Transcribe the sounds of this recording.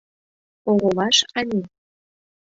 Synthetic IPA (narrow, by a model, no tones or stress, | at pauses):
oɣolɑʃɑnʲe